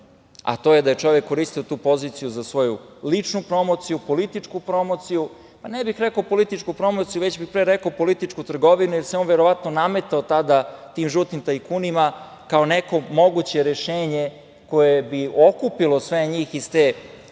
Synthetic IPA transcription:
a̰t̪o̞jed̪aje̞t͡ʂo̞ʋekːo̞ɾist̪iot̪uːpo̞ziːt̪sijuzasʋo̞julit͡ʂnupɾo̞mo̞t̪sijupo̞lit̪it͡ʂkupɾo̞mot̪siju | panebixɾekoopo̞lit̪it͡ʂkupɾo̞mo̞t̪sijuʋet͡ɕbixpɾeɾekoopo̞lit̪it͡ʂkut̪r̩ɡo̞ʋinujeɾseo̞nʋeɾo̞ʋat̪noname̞t̪aot̪ad̪at̪iːmʒot̪nimt̪aikuːnima | kaoneko̞mo̞ɡut͡ɕe̞ɾeʃeːɲe | ko̞jebiokupilo̞sʋeɲiːxizst̪eː

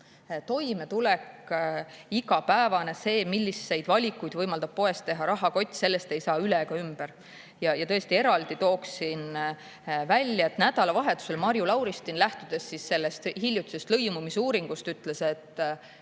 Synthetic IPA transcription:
t̪o̞jme̞t̪ulek | iɡɑpæevɑne̞se̞ːmilʲːisːe̞jd̪vɑlʲikːˑujd̪vɤjmɑld̪ɑb̥̚po̞e̞st̪ːe̞ɦɑɾɑɦɑko̞t̪ʲːˑse̞lːe̞st̪e̞jsɑːyleɡ̥ɑymb̥eɾ | jɑjɑt̪ɤ̞est̪ie̞ɾɑld̪̥it̪o̞ːksin | vælʲːjɑe̞t̪ːnæd̪̥ɑlɑvɑɦe̞t̪ːˑu̥se̞lmɑɾjulɑwɾist̪inlæht̪ud̪̥e̞sːisːe̞lːest̪hilʲjut̪ːˑi̥sest̪lɤjmumisuːɾiŋɡ̥ust̪yt̪ːle̞se̞t̪ːˑ

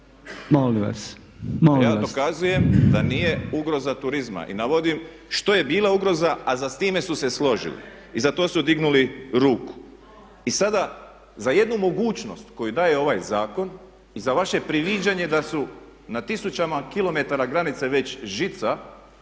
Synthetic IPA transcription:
moliʋa̰s | moljaːd̪okazuje̞md̪anije̞uɡɾo̞zat̪uɾizma̰ʔḭnaʋo̞d̪im | ʃt̪o̞je̞biːlauɡɾo̞zaazast̪iːme̞suse̞slˠo̞ʒḭlḭ | izat̪o̞ːsud̪iɡnuliɾuːku̥ | isad̪a | zaje̞d̪numo̞ɡuːt͡ʃno̞st̪ko̞jud̪aːje̞o̞ʋajzaːko̞n | izaʋaʃe̞pɾiʋid͡ʑaɲe̞d̪asu | nat̪isut͡ɕamakilˠo̞me̞t̪aɾaɡɾanit̪seʋe̞t͡ɕʒit̪sa

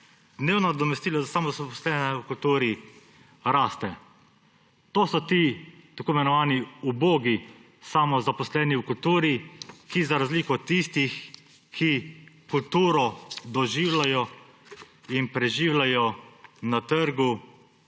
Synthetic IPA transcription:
d̪neːwnɔd̪ɔmɛst̪iːlɔzasamɔzapɔslɛnɛukult̪uːɾi | ɾaːst̪ɛ | t̪oːsɔt̪it̪akoːimɛnɔʋaːniuboːɡi | samɔzapɔslɛːniwkult̪uːɾikizaɾazliːkɔt̪ist̪ix | kʰikult̪uːɾɔd̪ɔʒiːwlajɔ | inpɾɛʒiːwlajɔnat̪əɾɡu

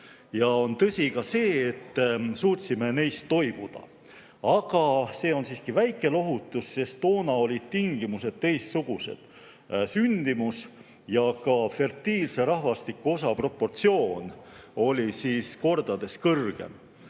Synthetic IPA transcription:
jɑo̞nt̪ɤsʲikɑse̞ːet̪ːsuːt̪ʲsime̞ne̞jst̪ːo̞jb̥ud̪̥ɑ̰ | ɑɡ̥ɑse̞ːo̞nsiːskivæjkːˑe̞lo̞ɦut̪ːˑusːe̞st̪t̪o̞ːnɑo̞lʲid̪̥̚t̪iŋɡ̥imuse̞d̪̥̚t̪e̞jst̪suɡ̥use̞̰d̪̥ | synd̪̥imus | jɑkɑfe̞rt̪iːlse̞ɾɑhvɑst̪ikːuo̞sɑpro̞pːo̞rt̪sio̞ːno̞lʲisiːsko̞rd̪ɑd̪̥e̞skɤrɡ̥e̞̰m

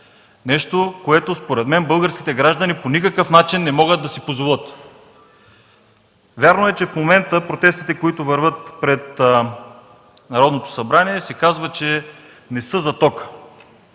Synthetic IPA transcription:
nɛʃt̪okoɛt̪ospoɾɛd̪mɛnbɤlˠɡəɾsk̟ʲi̥t̪ɛɡɾaʒd̪ɐniponikəkəfnat͡ʃinːɛmɔɡəd̪ːɐsipozvolˠɤt̪ | vʲjaɾnoɛt͡ʃɛfmomɛnt̪əpɾot̪ɛst̪it̪ɛkoit̪ovəɾvɤt̪pɾɛt̪ | nɐɾɔd̪not̪o̥sɐbɾaniɛsɛkazvət͡ʃɛ | nɛsɤzɐt̪ɔkə̥

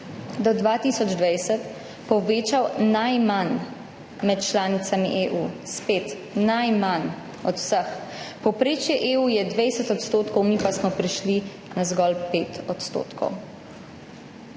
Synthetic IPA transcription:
d̪ɔd̪ʋat̪isɔd͡ʒd̪ʋajsət̪ | pɔʋeːt͡ʃawnajman | mɛt̪̚t͡ʃlaːnit̪samiʔeʔuspeːt̪ | najman | ɔt̪w̥səxpɔwpɾeːt͡ʃjɛʔeːujɛd̪ʋejsɛt̪ɔt̪st̪oːt̪kɔwmipasmɔpɾiʃli | nazɡɔlpeːt̪ɔt̪st̪o̰ːt̪kʰɔ̰w

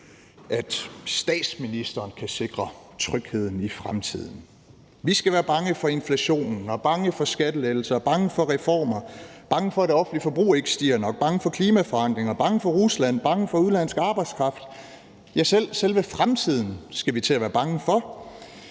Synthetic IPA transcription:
ʔæd̥sd̥ɛ̰ːd̥sminisd̥ɐːnkʰæse̝ɡ̥ʁɐt͡sʰʁœɡ̥he̝ð̰ˠn̩ifʁamt͡sʰið̞̰ˠn̩ | ʋisɡ̥æʋæːɐb̥ɑ̈ŋəfɒ̽e̝nflæɕo̝̰ːnn̩ɒ̽b̥ɑ̈ŋəfɒ̽sɡ̥æd̥əlel̩sɐb̥ɑ̈ŋəfɒ̽ʁɛfɒ̰ːmɐb̥ɑ̈ŋəfɒ̽ɾ̥e̝ɒ̽fn̩lifɒ̽b̥ʁṵːe̝ɡ̥əsd̥ḭːɐnɒ̽ɡ̥̚b̥ɑ̈ŋəfɒ̽kʰliːmæfɒ̽ɑn̰d̥ʁeŋɐb̥ɑ̈ŋəfɒ̽ʁuslæn̰b̥ɑ̈ŋəfɒ̽uðˠlæn̰sɡ̥ɑ̈ːb̥ɑ̈ɪd̥skʰʁɑ̈fd̥ | jæsel̰selʋəfʁamt͡sʰið̞̰ˠn̩sɡ̥æʋit͡sʰe̝læʋæːɐb̥ɑ̈ŋəfɒ̽

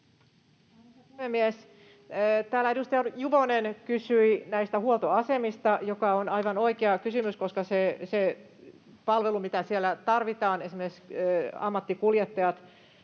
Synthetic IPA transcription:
puhemːiæsː | t̪æːlæeɾust̪ɑɑjuʋonenkysyinæist̪æhuolt̪oɑsemist̪ɑjokɑonɑiʋɑnoikeɑkysymyskoskɑsese | pɑlʋelumit̪æsielːˑæt̪ɑrʋit̪ɑːnesimesɑ̰mːɑt̪ːikuljet̪ːɑjɑt̪

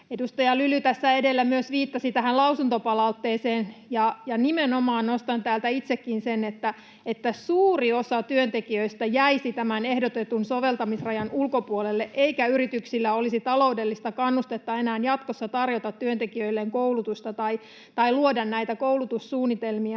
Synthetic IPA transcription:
edust̪ɑjɑlylyt̪æsːæedelːæmyøsʋiːt̪ːɑsit̪æɦælɑusunt̪opɑlɑut̪ːeːseːnjɑjɑnimenomɑːnnost̪ɑnt̪æːlt̪æit̪sekːinsenet̪ːæ | et̪ːæsuːriosɑt̪yønt̪ekiøist̪æjæisit̪æmænehdot̪et̪unsoʋe̞lt̪ɑmisrɑjɑnulkopuolelːeʔeikæyrit̪yksilːæolisit̪ɑlo̞udelːist̪ɑkɑnːust̪et̪ːɑenæːnjɑt̪kosːɑt̪ɑrjot̪ɑt̪tyønt̪ekiøilːeŋkoulut̪ust̪ɑt̪ɑi | t̪ɑiluodɑnnæit̪ækowlut̪ussuːnːit̪elmiɑ

